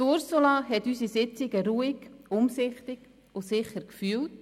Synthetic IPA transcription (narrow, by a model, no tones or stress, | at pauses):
ʊɾsolɑɦɛtysisɪt͡sɪɡəɾuːiɡʊmsɪχtɪɡ̥ | ʊsɪχəɾkfyːlt